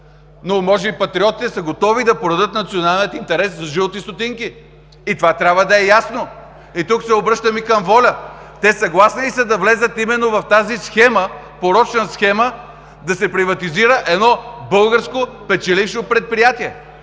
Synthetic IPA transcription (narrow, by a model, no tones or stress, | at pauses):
nomɔʒɛbipɐt̪ɾiɔt̪i̥t̪ɛsəɡot̪ɔvid̪ɐpoɾɐd̪ət̪nɐt̪sionalˠniət̪int̪ɛɾɛszɐʒiot̪ist̪ot̪iŋkiː | t̪ovat̪ɾʲabvəd̪ɐɛjasno | it̪uksɛobɾɤʃt̪əmikəmvɔlʲət̪ɛsɐɡlˠasniisɐd̪ɐvlɛzət̪imɛnːovɐft̪azisxɛmə | poɾɔt͡ʃnəsxɛmə | d̪ɐsɛpɾivɐt̪iziɾəʔɛd̪nɔbɤlˠɡəɾskopɛt͡ʃɛlifʃopɾɛt̪̚pɾijat̪iɛ